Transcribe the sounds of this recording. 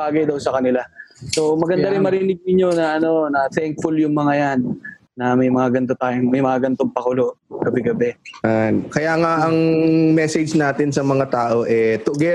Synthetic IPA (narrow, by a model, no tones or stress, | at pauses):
baːɡɐjd̪ɐwsɐkɐnɪlaso̞mɐɡɐnd̪aɾɪnmɐɾɪːnɪɡ̚nɪɲːo̞nɐʔɐno̞nɐt̪ɛŋk̚fʊljʊŋmɐŋajanː | ɐmɐjmɐŋaɡɐnt̪o̞t̪aːjɪŋmɐjmɐŋaɡɐnt̪o̞ŋpɐkʊlo̞ʔɡɐbɛɡɐbɛankɐjaːŋaʔɐŋmɛsɛd͡ʒnaːt̪ɪnsɐmɐŋat̪aːʔo̞ʔɛt̪ʊɡɛ